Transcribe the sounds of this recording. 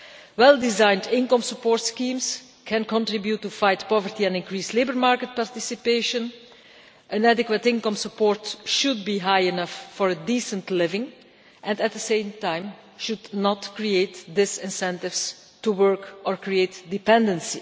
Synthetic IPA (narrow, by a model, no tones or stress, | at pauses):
wɛlˠdɪzãɪ̃ndɪ̃nkə̃msəpɔːɹtskĩms | kʰɛ̃nkɔ̃ntɹɪbjutːufajtpɔvəɹtiɛ̃nɪ̃nkɹiːsleɪbəɹmaɹkət̚paɹtɪsipeɪʃə̃n | ʔə̃nædɪkwətɪ̃nkə̃msəpɔːɹtʃud̚biːɦajɪnʌfːɔɹdisə̃ntlɪvɪ̃ŋ | ʔɛ̃ndɛt̪̚ðəsẽɪ̃mtãɪ̃m | ʃudnɔtkɹieɪtdɪsɪ̃nsɛ̃ntɪvs | tuwɜɹkɔɹkɹieɪtdɪpɛ̃ndə̃nsi